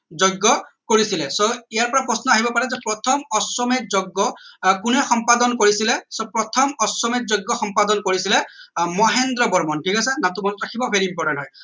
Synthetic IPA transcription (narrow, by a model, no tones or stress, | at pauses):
zoɡːɔkoɹisilɛsoijaɹpɔɹapɹɔsnɔaɦibɔpaɹɛzɛpɹɔt̪ʰɔmɔswɔmetzoɡːɔkunɛxɔmpad̪ɔnkoɹisilɛsopɹɔt̪ʰɔmɔswɔmit̚zoɡːɔxɔmpad̪ɔnkoɹisilɛmɔɦend̪ɾɔbɔɹmɔnʈʰikasɛnat̪umɔnɔtɹakʰibɔbʱeɹiːmpɔɹʈantɦɔj